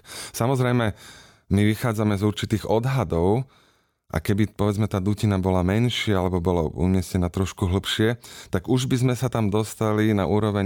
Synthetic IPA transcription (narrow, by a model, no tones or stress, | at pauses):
samɔzɾɛjmɛ | miʋixaːd͡zamɛzuɾt͡ʃit̪iːɣɔd̪ɦad̪ɔʊ | ʔa̰kɛbipɔʋɛd͡zmɛt̪aːd̪ucinabɔlamɛnʃɪɛalɛbɔbɔlɔ̰ṵɲɪɛscɛnaːt̪ɾɔʃkuɦl̩pʃɪɛt̪aɡuʒbizmɛsat̪amd̪ɔst̪alina̰ʔuːɾɔʋɛɲ